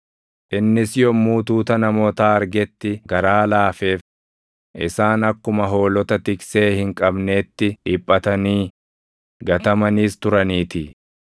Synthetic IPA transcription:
ʔɪnːɪsjɔmːuːt̪uːt̪ɐnɐmoːt̪aːɐɾɡɛt̪ːɪɡɐɾaːlaːfe̞ːf | ʔɪsaːnɐkːʊmɐɦo̞ːlɔt̪ɐt̪ɪkse̞ːhɪŋkʼɐbne̞ːt̪ːɪᶑɪːpʼːɐt̪ɐniː | ɡɐt̪ɐmɐniːst̪ʊɾɐniːt̪ɪ

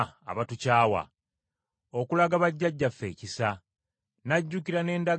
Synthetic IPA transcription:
a̰βatucaːwa̰ | o̞kulaɡaβaɟːaɟːafːe̞̰ːcisa | naɟːukiɾane̞ːnda

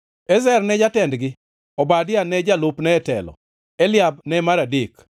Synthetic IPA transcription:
ɛzɛrnɛd͡ʒatɛndɡɪ | ɔbadɪanɛd͡ʒalʊpnɛɛtɛ̰lɔ̰ | ɛlɪab̚nɛmaɾadɪk

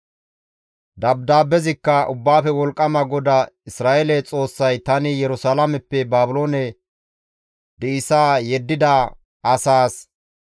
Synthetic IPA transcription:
d̪ɐbd̪aːbɛzɪkːɐʔʊbːaːfɛwɔlkʼːɐmɐɡɔd̪ɐɪsɾaːʔelɛt͡sʼo̞ːsːɐjt̪ɐnɪjɛɾʊsaːlamɛpːɛbaːbʊlo̞ːnɛ | d̪ɛɪsaːjɛd̪ːɪd̪ɐ | ʔɐsaːs

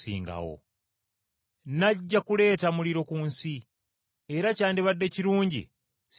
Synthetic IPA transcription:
sḭːŋɡa̰wo̰ | naɟːakule̞ːtamuliɾo̞kuːnsi | e̞ɾacaːndiβadːe̞ciɾuːɲɟḭ | s

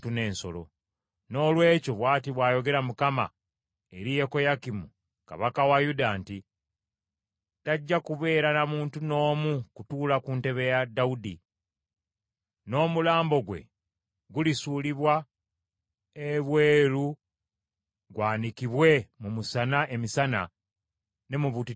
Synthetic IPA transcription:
tune̞ːnso̞̰lo̰ | no̞ːlwe̞ːco̞βwaːtiβwaːjo̞ɡe̞ɾamukama̰ | eɾije̞ko̞jakimu | ka̰βakawajudanti | taɟːakuβe̞ːɾanamuːntuno̞ːmukutuːlakunte̞βe̞jadːaudḭ | no̞ːmulaːmbo̞ɡwe̞̰ | ɡulisuːliβwa | eβwe̞ːɾu | ɡwaːnikiβwe̞mumusanaʔe̞misana̰ | ne̞muβuti

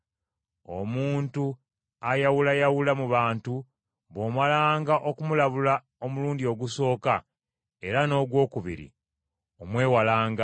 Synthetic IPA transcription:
o̰muːntu | ajawulajawulamuβaːntu | βo̞ːmalaːŋɡaʔo̞kumulaβula | o̞muluːndio̞ɡuso̞ːka | e̞ɾano̞ːɡwo̞ːkuβḭɾḭ | omwe̞ːwalaːŋɡa

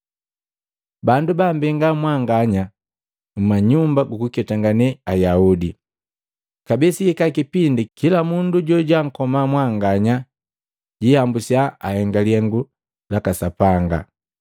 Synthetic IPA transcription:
bandubambɛŋɡamwaŋɡaɲa | m̩maɲumbaɡukukɛtaŋɡanɛajaudi | kabɛsiɛkakipindikilamunduɟɔɟaŋ̩kɔmamwaŋɡaɲa | ɟihambusjaahɛŋɡaliɛŋɡu | lakasapaŋɡa̰

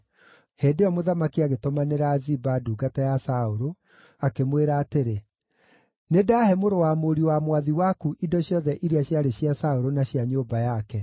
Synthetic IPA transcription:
heːdeɔmoðamakiaɣetomaneɾaːzibaduːɡatajasaoɾo | akemweɾaːteɾe | nedaːhɛmoɾowamoɾiwamwaðiwakuʔidɔɕjɔðɛʔiɾiaɕjaɾeɕjasaoɾonaɕjaɲobajakɛ

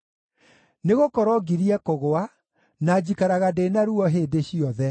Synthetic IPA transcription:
neɣokɔɾɔɡiɾiɛkoɣoa | nad͡ʑikaɾaɣadenaɾuɔɦeːdeɕiɔðɛ

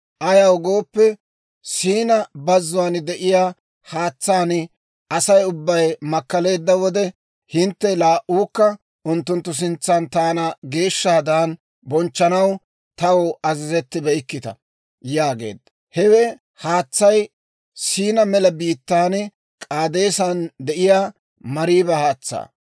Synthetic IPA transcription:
ʔɐjɐwɡo̞ːpːɛ | siːnɐbɐzːʊwand̪ɛʔɪjaː | haːt͡sːaːn | ʔɐsɐjʊbːɐjmɐkːɐle̞ːd̪ːɐwɔd̪ɛ | hɪnt̪ːɛlaːʔuːkːɐ | ʔʊnt̪ːʊnt̪ːʊs̬ɪnt͡sːant̪aːnɐɡe̞ːʃːaːd̪aːn | bɔnt͡ʃːɐnɐw | t̪ɐwɐzɪzɛt̪ːɪbɛjkːɪt̪ɐ̰ | jaːɡe̞̰ːd̪ːɐ | hɛwɛ | haːt͡sːɐj | siːnɐmɛlɐbiːt̪ːaːn | kʼaːd̪e̞ːsand̪ɛʔɪjaː | mɐɾiːbɛhaːt͡sːa̰ː

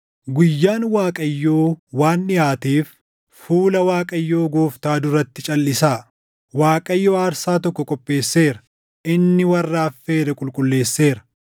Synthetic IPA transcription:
ɡʊjːaːnwaːkʼɐjːo̞ːwaːnːɪjaːt̪iːfː | uːlɐwaːkʼɐjːo̞ːɡoːft̪aːd̪ʊrɐt̪ːɪt͡ʃʼɐlːɪsaː | waːkʼɐjːo̞ːɐɾsaːt̪ɔkːɔkʼɔpʼːe̞ːsːe̞ːɾɐ | ʔɪnːɪwɐrːaːfːe̞ːɾɛkʼʊlkʼʊlːe̞ːsːe̞ːɾɐ̥

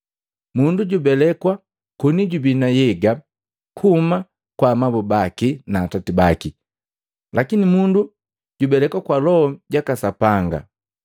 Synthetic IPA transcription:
munduɟubɛlɛkwa | kɔniɟubinajɛɡa | kʰuma | kwamabɔbakinaːtatibaki | lʔakinimundu | ɟubɛlɛkwakwalɔɟakasapaŋɡa̰

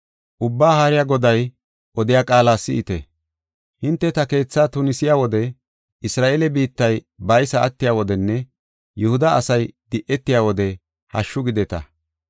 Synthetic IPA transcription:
ʔʊbːaːhaːɾɪjaːɡɔd̪ɐj | ʔɔd̪ɪjaːkʼaːlaːsɪ̰ɪt̪ɛ | hɪnt̪ːɛt̪ɐke̞ːt͡sːaːt̪ʊnɪsɪjaːwɔd̪ɛ | ɪsɾaːʔeːlɛbiːt̪ːɐj | bɐjsɐːt̪ːɪjaːwɔd̪ɛnːɛ | jʊhʊd̪ɐːsɐjd̪̥ɪʔɛt̪ːɪjaːwɔd̪ɛ | hɐʃːʊɡɪd̪ɛt̪ɐ̰

